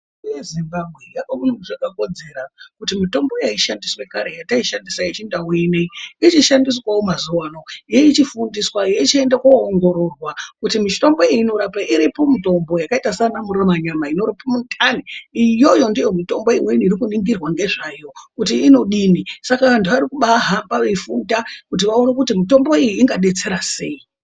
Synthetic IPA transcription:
ujezimbabʱwe̞jakomunomuʐakako̞d͡ze̞ɾakutimito̞mbo̞jaiʃandiswe̞kaɾe̞jataiʃandisajit͡ʃindawineiit͡ʃiʃandiswawo̞mazuwano̞jeit͡ʃifundiswajeit͡ʃae̞ndakwoːŋɡo̞ɾo̞rwakutimit͡ʃito̞mbo̞iiːno̞ɾapaʔiɾipo̞mito̞mbo̞jakaitasanamuremaɲamaino̞ɾipomutʰaniijo̞jo̞ndijo̞mito̞mbo̞imweniːɾikuniŋɡirwaŋɡe̞ʐajo̞kutiːno̞ɗinisakandiʋaɾikuɓaɦambaʋefundakut̬iʋao̞nekutimito̞mbo̞ijiːŋɡaɗe̞t͡se̞ɾase̞̰i

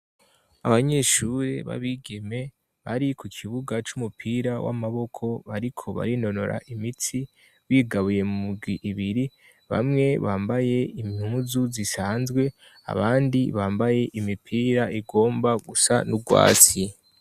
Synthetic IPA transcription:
aβaɲe̞ʃuɾḛβa̰βiɡeme̞ | βaɾikukʰiβuɡat͡ʃumupʰiːɾawʔa̰maβo̞kʰo̞βaɾikʰo̞βa̰ɾino̞no̞ɾʔa̰ʔimit͡si | wiːɡaβuje̞mumuɡwiʔːβiɾi | βa̰mŋe̞βaːmbaje̞imhuzuzisaːnzɡwe̞ | a̰βaːndiβaːmbaje̞ʔimipʰiːɾaʔiɡo̞ːmbaɡusa̰nuɡwa̰ːt͡si

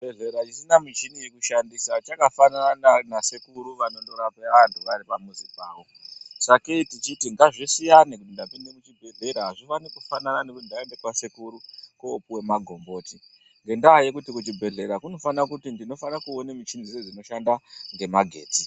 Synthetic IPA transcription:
bʱeɮe̞ɾat͡ʃisinamit͡ʃinijekuʃandisat͡ʃakafanananasekuɾuʋano̞ɗoɾapeʋantʰuʋaɾipamuzibaːʋo̞ | saketit͡ʃitiŋɡaʐisijanekutindapinde̞kut͡ʃibʱe̞ɮe̞ɾaɦaʐifanikufanananekutindaende̞kwasekuɾukoːpuwe̞maɡʱo̞mbo̞ːti | ŋɡe̞ndaːjekutikut͡ʃibʱe̞ɮe̞ɾakuno̞fanakutindino̞fanakuonemit͡ʃinzised͡zino̞ʃandaŋɡe̞maɡʱe̞ːti

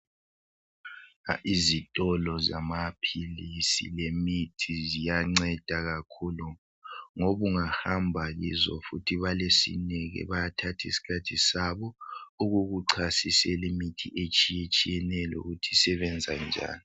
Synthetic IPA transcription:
ʔizitʼɔlɔza̰mapʰilisilemitʰizijaŋ͡ǀɛd̥ʱaɣakʰulu | ŋoβuŋahambʱaɣizɔ̰futʰiβalesḭnɛɣɛ̰βajatʰatʰisi̥kʰatʰisaβɔuɣuɣuǀʰasisɛlemitʰiʔet͡ʃʼijet͡ʃʼijɛnɛlṵɣutʰi̥sɛβɛnd͡zʱand͡ʒʱa̰ːni

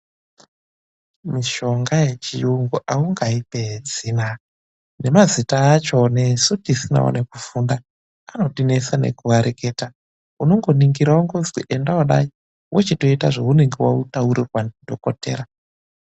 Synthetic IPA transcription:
miʃo̞ŋɡaje̞t͡ʃiuŋɡuʔauŋɡaipe̞zina | ne̞mazitaːt͡ʃo̞ne̞sutisina̰wo̰ne̞kufundaː | no̞tine̞sane̞̰kuwaɾekeːta | uno̞ŋɡo̞niŋɡiɾaaŋɡozɡiʔendawaɗa̰i | wʔet͡ʃeto̞itaʐeune̞ŋɡewautauɾirwandʱo̞ko̞te̞̰ːɾa

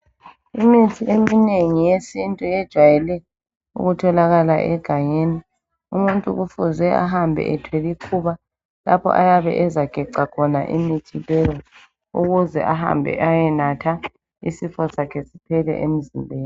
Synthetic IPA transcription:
imitʰiʔemineŋijesintʼujɛd̥ʒ̥ʱwajɛlɛ | ṵɣutʰɔlaɣalaʔɛɡ̥ʱajeːni | umuntʼuɣufuzwɛʔa̰ɦambʱɛ̰ʔɛtʰwelikʰuβa | lapʰɔ̰ʔajaβɛ̰ʔɛzaɡ̥ʱɛǀakʰɔna̰ʔḭmitʰilɛjɔ | ṵɣuzɛ̰ʔaɦa̰mbʱɛ̰ʔajɛnatʰa | ḭsifɔsakʰɛsi̥pʰɛlɛ̰ʔem̩zimbʱeːni

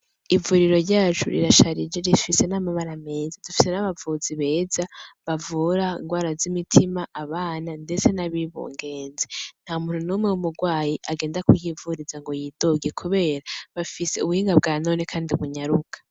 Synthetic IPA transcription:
ivuɾiɾo̞ɾɟaːt͡ʃṵɾḭɾaʃaɾid͡ʒeɾifise̞namaβaɾame̞ːzadufi̥se̞naβavuziβe̞ːzaβavuɾaḭŋɡwaːɾazimitʰimaʔaβaːnande̞t͡se̞naβiβṵːŋɡe̞ːnzen̥haːmuːn̥hunumŋewumuɡwaːjiʔaɡeːndakujivuɾizaŋɡo̞jiːd̥oɡekʰuβe̞ːɾaβafise̞uβuhiːŋɡab̚ɡaːno̞ːne̞kʰaːndiuβuɲaɾukʰḁ

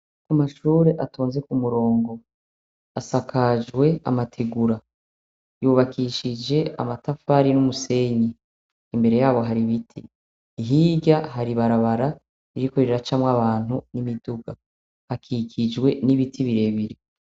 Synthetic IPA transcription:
kumaʃuːɾe̞ʔatʰoːnze̞kumuɾo̞ːŋɡo̞ | asakʰad͡ʒɡwe̞a̰matʰeɡuɾa | juβakʰiʃid͡ʒe̞ʔa̰matafaɾinumuse̞ɲiː | mbe̞ɾe̞jaːβo̞ɦaɾiβitʰi | ɦiɟaɦaɾiβaɾaβaɾa | iɾiko̞ɾiɾeɾat͡ʃamwaβaːn̥hunimiduɡa | hakʰikʰid͡ʒɡwe̞niβitʰiβiɾe̞βiɾi

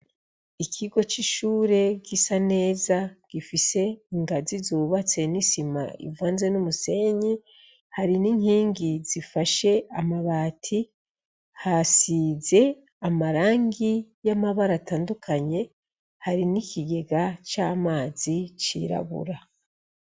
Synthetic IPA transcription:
ikʰiɡo̞t͡ʃiʃuːɾe̞ɡisane̞ːzaɡ̥ifise̞iŋɡazizuuβat͡se̞nisima̰ḭvaːnze̞numuse̞ɲi | haɾiniɲhiːŋɡiz̥ifaʃe̞amaβaːtʰi | hasize̞ | amaɾaːŋɡijamaβaɾataːndukʰaɲe̞ | haɾinikʰiɡe̞ɡat͡ʃaːmaːzit͡ʃḭːɾa̰βṵɾa

